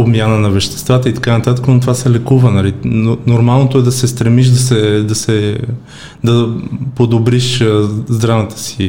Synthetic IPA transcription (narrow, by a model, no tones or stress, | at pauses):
obmʲjanənɐvɛʃt̪ɛ̥st̪vat̪əit̪ɐ̥kanɐt̪at̪əkənot̪ovasɛlɛkuvənɐlinoɾmalˠnot̪oɛd̪ɐsɛst̪ɾɛmiʃd̪ɐsɛd̪ɐsɛ | d̪ɐpod̪obɾiʃzd̪ɾavət̪ə̥si